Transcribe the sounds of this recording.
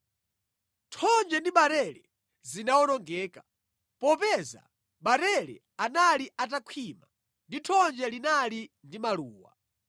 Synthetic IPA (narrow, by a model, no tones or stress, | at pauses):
tʰɔnd͡ʒɛndiɓaɾɛɾɛ | zinawɔnɔŋɡɛːka | pɔpɛza̰ | ɓaɾɛɾɛ̰ | analiʔat̬akʰwiːma | nditʰɔnd͡ʒɛlinalindimaluːwa̰